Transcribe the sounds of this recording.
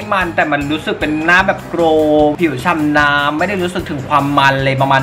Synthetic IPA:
jma˧nt̪ɛː˨˩ma˧nɾuː˦˥sɯ˨˩k̚pe˧nːaː˦˥mbɛː˨˩p̚kɾoː˧pʰi˨˩˦t͡ɕʰa˧mnaː˦˥mmːa˥˩jda˥˩jɾuː˦˥sɯ˨˩k̚t̪ʰɯ˩˦ŋkʰwaː˧mːa˧nlɤː˧jpɾa˧maː˧n

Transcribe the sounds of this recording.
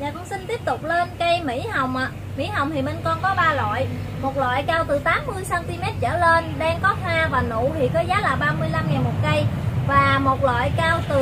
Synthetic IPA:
ɲaː˨˩kwŋ͡msï˧n̟t̪i˦˥əp̚t̪ʊ˨˩k͡p̚le˧nkə˧jmḭ˧˥ha˨˩wŋ͡mʔa˨˩ | mḭ˧˥ɦa˨˩wŋ͡mt̪ʰi˨˩mə˧nkɔ˧nkɔ˨˦ɓaː˧lwa̰ː˧˨j | mo˨˩t̚lwa̰ː˧˨jkaː˧wt̪ɨ˨˩t̪aː˨˦mːɨ˧əjsaː˧nt̪i˧mɛ˦˥t̚t͡ɕə̰ː˧˩le˧nɗaː˧ŋkɔ˨˦˥hwaː˧vaː˨˩nṵ˧˨t̪ʰi˨˩kɔː˨˦zaː˨˦laː˨˩ɓaː˧mɨ˧əjla˧mŋɛː˨˩nmo˨˩t̚kə˧jvaː˨˩mo˨˩t̚lwa̰ː˧˨jkaː˧wt̪ɨ˨˩

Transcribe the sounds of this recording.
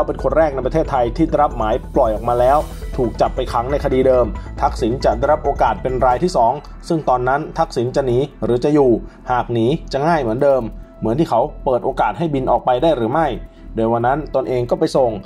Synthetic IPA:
lʰa˦˥wpe˧nkʰo˧nɾɛː˥˩k̚na˧jpɾtʰeː˥˩t̪ʰːa˧jt̪ʰiː˥˩da˥˩ɾa˦˥p̚maː˩˦jplɔ˨˩jʔɔː˨˩maː˧lɛː˦˥wt̪ʰuː˨˩k̚t͡ɕa˨˩pːa˧jkʰa˩˦˥ŋna˧jkʰa˧diː˧dɤː˧mt̪ʰa˦˥k̚si˩˦nt͡ɕa˨˩da˥˩ɾa˦˥p̚ʔoː˧kaː˨˩t̪̚pe˧nɾaː˧jt̪ʰiː˥˩sɔː˩˦ŋ | sɯ˥˩ŋt̪ɔː˧nːa˦˥nt̪ʰa˦˥k̚si˩˦nt͡ɕa˨˩niː˩˦ɾɯː˩˦t͡ɕa˨˩juː˨˩haː˨˩k̚niː˩˦t͡ɕa˨˩ŋaː˥˩jmɯ˩˦əndɤː˧mːɯ˩˦nt̪ʰiː˥˩kʰa˦˥wpɤː˨˩t̪̚ʔoː˧kaː˨˩t̪̚ɦa˥˩jbi˧nʔɔː˨˩k̚pa˧jdaː˥˩jɾɯː˩˦ma˥˩j | doː˧jwa˧nːa˦˥nt̪o˧nʔeː˧ŋkɔː˥˩pa˧jso˨˩ŋ

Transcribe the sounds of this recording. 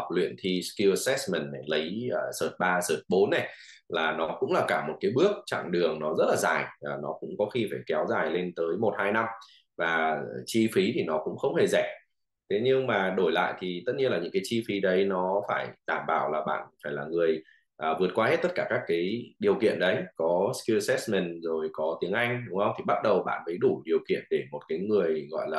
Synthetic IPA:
k͡p̚lwḭ˧˨ənt̪ʰi˧skju˧ə˧sɛ˦˥smɛ˨˩nːɛ˨˩lə˨˦jəː˨səː˨˩t̚ɓaː˧səː˨˩t̚ɓo˨˦nːɛ˨˩ | laː˨˩nɔ˨˦kʊ̰˧˥ŋ͡mlaː˨˩kaː˧˩mo˨˩t̚kaː˨˦jɓɨ˦˥ək̚t͡ɕa̰˧˨ŋɗɨ˨˩əŋnɔ˨˦zə˦˥t̚laː˨˩zaː˨˩jːnɔ˨˦kʊ̰˧˥ŋ͡mkɔ˨˦xi˧faː˧˩jkɛ˨˦wzaː˨˩jle˧nt̪əː˨˦jmo˨˩t̚haː˧jna˧m | vaː˨˩t͡ɕi˧fi˨˦t̪ʰi˨˩nɔ˨˦kʊ̰˧˥ŋ͡mxə˧wŋ͡mhe˨˩zɛ˧˩ | t̪ʰe˨˦ɲɨ˧ŋmaː˨˩ɗo˧˩jla̰ː˧˨jt̪ʰi˨˩t̪ə˦˥t̚ɲi˧ənlaː˨˩ɲɨ̰˧˥ŋkaː˨˦t͡ɕi˧fi˨˦ɗə˨˦jnɔ˨˦faː˧˩jɗaː˧˩mɓaː˧˩wlaː˨˩ɓa̰ː˧˨nfaː˧˩jlaː˨˩ŋɨ˨˩əj | ʔəː˨˩vɨ˨˩ət̚kwaː˧he˦˥t̚t̪ə˦˥t̚kaː˧˩kaː˦˥k̚ːaː˨˦jɗi˨˩əwkḭ˧˨ənɗə˨˦jkɔ˨˦ski˧sɛ˦˥smɛ˨˩nzo˨˩jkɔ˨˦t̪i˨˦əŋʔa˧jŋ̟ɗʊ˨˦ŋ͡mhə˧wŋ͡mt̪ʰi˨˩ɓa˦˥t̚ɗə˨˩wɓa̰ː˧˨nmə˨˦jɗu˧˩ɗi˨˩əwkḭ˧˨ənɗe˧˩mo˨˩t̚kaː˨˦jŋɨ˨˩əjɣɔ̰˧˨jlaː˨˩

